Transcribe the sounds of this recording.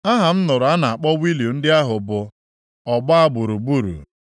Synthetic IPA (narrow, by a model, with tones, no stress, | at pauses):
a˦ɦa˨m̩˦nʊ˨ɾʊ˨a˦na˨a˨k͡pɔ˦wi˦ljo˨n̩˦dɪ˦a˦ɦʊ˨bʊ˨ | ɔ˨ɡ͡ba˦a˦bu˨ɾu˨bu˦˨ɾṵ˨